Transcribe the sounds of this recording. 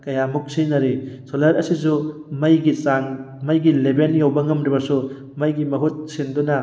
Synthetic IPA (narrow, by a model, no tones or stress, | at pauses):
kɐjamuk̚sinɐɾisolɐɾɐsisumɐjɡisaŋ | mɐjɡilebenjawbɐŋɐmɾibɐsu | mɐjɡimɐɦut̚sindunɐ